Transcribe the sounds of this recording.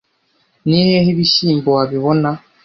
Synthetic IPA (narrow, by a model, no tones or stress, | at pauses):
niehiβiʃimbɔaβiβɔna